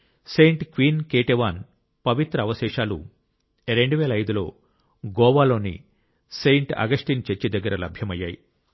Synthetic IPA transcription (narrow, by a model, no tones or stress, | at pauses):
sejɳʈkʋiːnkeːʈeʋaːn | pɐʋit̪ɾɐɐʋɐʃɛːʃaːlṵ | ɾe̞ɳɖuʋɛːlɐjd̪ulo̞ː | ɡɔːʋaːlo̞ːnḭ | sejɳʈɐ̰ɡɐʂʈiːnt͡ʃet͡ʃːid̪ɐɡːɐɾɐlɐbʱjɐmɐjːaːji